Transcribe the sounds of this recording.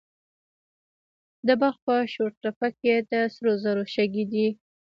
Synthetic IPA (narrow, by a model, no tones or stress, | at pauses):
d̪əbaɾxpəʃoɾʈɾapaked̪əsɾozaɾoʃaɡid̪i